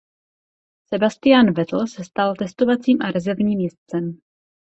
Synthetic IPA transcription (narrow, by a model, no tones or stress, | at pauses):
sɛbast̪ɪjaːnvɛt̪l̩sɛst̪alt̪ɛst̪o̞vat͡siːmʔaɾɛzɛɾvɲiːmjɛst͡sɛm